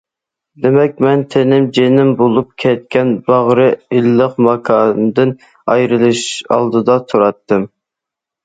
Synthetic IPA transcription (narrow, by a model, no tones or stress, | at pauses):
d̪emɛkʲmɛnt̪ʰenɪmd͡ʒenɪmbolˠup̚kʲʰɛt̪̚kʲɛnbɑʁɾɨilːəqmɑkʰɑnd̪ɨn | ɑjɾɨlˠɨʃɑ̰lˠd̪ɨd̪ɑt̪ʰuɾɑt̪ːɨm